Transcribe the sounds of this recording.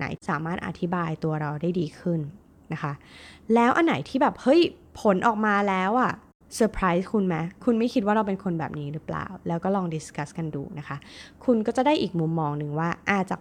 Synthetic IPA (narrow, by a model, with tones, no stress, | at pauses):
na̰˩˦jsaː˩˦maː˥˩t̪̚ʔa̰˧˩t̪ʰi˦˥baː˧jt̪u˧ɐɾa˧wdaː˥˩jdiː˧kʰɯ˥˩nː | a˦˥kʰa˦˥ʔlɛː˦˥wʔa˧nːa˨˩˦jt̪ʰiː˥˩bɛː˨˩p̚hɤ˦˥jpʰo˩˦nʔɔː˨˩k̚maː˧lɛː˦˥wʔa˨˩ | sɤː˧pʰɾaː˦˥jskʰu˧nmɛ˦˥kʰu˧nma˥˩jkʰi˦t̪̚waː˥˩ɾa˧wpe˧nkʰo˧nbɛ̰ː˨˩p̚niː˦˥ɾɯ˦˥pla̰ː˨˩wlɛː˦˥wkɔː˥˩lɔː˧ŋdi˨˥ska˦˥ska˧ndṵː˧na˦˥kʰa˦˥kʰu˧nkɔː˥˩t͡ɕa˨˩da˥˩jʔiː˨˩k̚mu˧mːɔː˧ŋnɯ˨˧ŋwaː˥˩ʔaː˨˩t̪̚t͡ɕa̰˨˩